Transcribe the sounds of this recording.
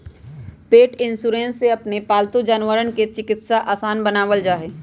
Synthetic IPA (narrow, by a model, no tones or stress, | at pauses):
peːʈɪ̃nsuɾẽːnsːeɐpnepaːlt̪ud͡ʒaːnʋəɾənket͡ʃɪkɪt̪saʔaːsaːnbənaːʋəld͡ʒaːɦeː